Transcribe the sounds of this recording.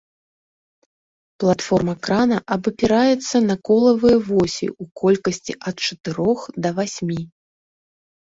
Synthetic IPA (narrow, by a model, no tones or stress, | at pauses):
plˠat̪fɔrmɐkɾanɐʔɐbɨpʲiɾajɛt̪sːɐnɐkɔlˠɐvɨjɛvɔsʲḭukɔlʲkɐsʲt͡sʲḭʔɐt̪̚t͡ʂɐt̪ɨɾɔxd̪ɐvasʲmʲi